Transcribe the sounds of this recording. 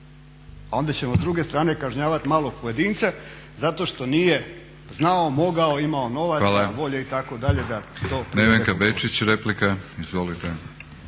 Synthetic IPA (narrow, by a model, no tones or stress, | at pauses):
ao̞nd̪at͡ɕe̞mozd̪ɾuɡe̞st̪ɾaːne̞kaʒɲaːʋat̪maːlˠo̞pojed̪iːnt̪se | zat̪o̞ʃt̪o̞nije̞ | znaomo̞ɡao̞imao̞no̞ʋat̪alʋo̞ʎeit̪ako̞d̪aʎe̞d̪at̪o̞ːneʋeŋkabet͡ʃit͡ɕɾeplikaizʋolit̪e